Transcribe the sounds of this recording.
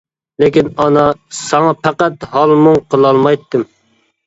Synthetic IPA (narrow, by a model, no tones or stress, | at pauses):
lekʲinɑnɑsɑŋɑpʰæqæt̪hɑlˠmʊŋqʰəlˠɑlˠmɑjt̪ʰːɨm